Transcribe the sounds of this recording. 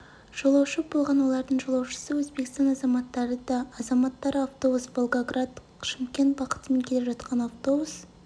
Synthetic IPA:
ʒ̥o̞lˠɑwʃəbo̞lˠʁɑnwo̞lˠɑɾd̪əɴʒo̞lˠɑwʃə̥səwɵzbe̞kʲɪst̪ɑnɑzɑmɑt̪ːɑɾəd̪ɑːzɑmɑt̪ːɑɾəaft̪o̞busbolˠɡoɡrad̪ | ʃɪmkʲe̞nt̪bɑqə̥t̪əme̞ŋkʲʰe̞lepʒɑt̪qɑnaft̪o̞bus

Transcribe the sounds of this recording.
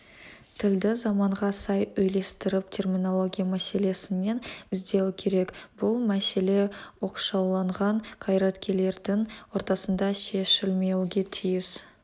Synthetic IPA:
t̪ʰɪld̪ɪzɑmɑɴʁɑsɑjɵjle̞st̪ɪɾɪp̚t̪ʲʰe̞rmʲino̞lˠo̞ɡʲijamæse̞le̞sɪne̞nɪzd̪e̞wɪkʲʰe̞ɾe̞kb̥ʊlˠmæse̞le̞wo̞qʃɑwlˠɑɴʁɑɴqʰɑjɾɑt̪kʲʰe̞le̞ɾd̪ɪŋwo̞ɾt̪ɑsənd̪ɑʃe̞ʃɪlme̞wuɡʲe̞t̪ʰijɪs

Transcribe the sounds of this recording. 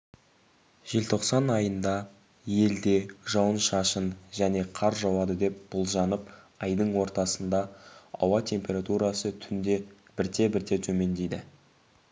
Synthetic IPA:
ʒ̥e̞lt̪ʰo̞qsɑnɑjənd̪ɑ | je̞ld̪e̞ʒɑwənʃɑʃənʒæne̞qʰɑɾʒɑwɑd̪əd̪e̞p̚b̥ʊlˠʒɑnəp | ɑjd̪əɴwo̞ɾt̪ɑsənd̪ɑɑ̰wɑt̪ʲʰe̞mpʲe̞ɾat̪uɾɑsət̪ʰʏnd̪e̞ | b̥ɪɾt̪e̞bɪɾt̪e̞t̪ʰɵme̞nd̪ejd̪ɪ

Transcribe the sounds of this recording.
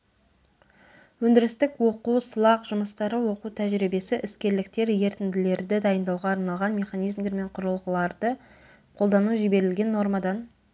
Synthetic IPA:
wɵnd̪ɪɾɪst̪ɪkwo̞quwsəlˠɑqʒ̥ʊməst̪ɑɾəwo̞qut̪ʰæʒɾibe̞sɪʔɪskʲe̞ɾlɪkt̪e̞ɾje̞ɾt̪ɪnd̪ɪle̞ɾd̪ɪd̪ɑjənd̪ɑwʁɑːɾnɑlˠʁɑnme̞χɑnijzmd̪e̞ɾme̞ɴqʰʊɾəlˠʁəlˠɑɾd̪̥ə | qʰo̞lˠd̪ɑnuʒibe̞ɾɪlɡʲe̞nːo̞ɾmad̪ɑn

